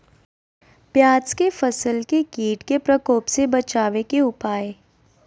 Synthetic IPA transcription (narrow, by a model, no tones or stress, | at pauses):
pjaːt͡ʃkefəsəlkekiːʈkepɾəkoːpsebɐt͡ʃaːʋekeʊpaːeː